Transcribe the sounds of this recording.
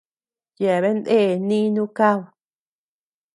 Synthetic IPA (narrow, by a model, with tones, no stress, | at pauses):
je˨βe˦nd̪e˦˨nĩ˦nũ˦ka˦˨w